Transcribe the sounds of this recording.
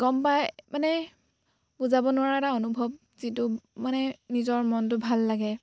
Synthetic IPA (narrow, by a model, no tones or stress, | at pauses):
ɡ̥ɔmpajmanɛ | buzabɔnʊwaɹaɛtaonubʱɔb̚ | zitʊmanɛnizɔɹmɔnt̬ʊbʱalːaɡɛ